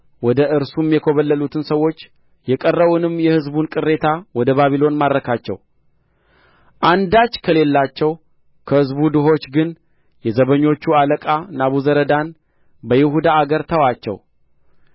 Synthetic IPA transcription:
wɔd̪əɨɾsumjɛkʰoβəlːəlut̪ʰɨnsəwːo̞t͡ʃː | jɛkʼərːəβunɨmːjɛhɨzbunkʼɨrːe̞t̪ʰawɔd̪əβaβilo̞nmad̪ɾəkʰat͡ʃːɛ̰w | ʔand̪at͡ʃːkʰəle̞lːat͡ʃːɛw | kʰəhɨzbud̪ɨɦo̞t͡ʃːɡɨn | jɛzəβəɲːo̞t͡ʃːualəkʼanaβuzəɾəd̪an | bəjɪhud̪aːɡəɾt̪ʰəwat͡ʃːɛ̰w

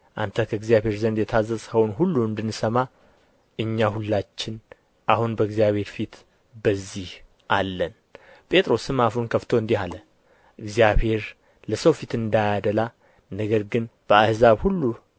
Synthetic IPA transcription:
ʔant̪ʰəkʰəɨɡzjaβhe̞ɾzənd̪jɛt̪ʰazːəshəwnhulːuɨnd̪ɨnːsəma | ʔɨɲːahulːat͡ʃːɪn | ʔahunbəɨɡzijaβhe̞ɾfit̪ | bəzːih | ʔalːən | pʼe̞t̪ʼɾo̞sɨmafunkʰəft̪ʰo̞ɨnd̪ihalə | ʔɨɡzijabhe̞ɾ | ləsəwfit̪ɨnd̪ajad̪əla | nəɡəɾɡɨnb̥əahzaβhulːu

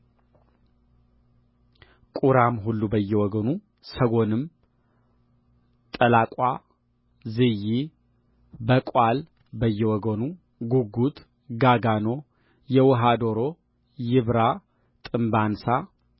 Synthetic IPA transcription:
kʼuɾamɦulːubəjːɛwɔɡənu | səɡo̞nɨm | t̪ʼəlakʼa | zɨji | bəkʼal | bəjːɛwɔɡənu | ɡuɡut̪ | ɡaɡano̞ | jɛwɔɦad̪o̞ɾo̞ | jɪβɾa | t̪ʼɨmbansa

